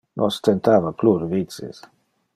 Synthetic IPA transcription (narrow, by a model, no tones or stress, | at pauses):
nʔost̪ent̪avakluɾvit͡sḛs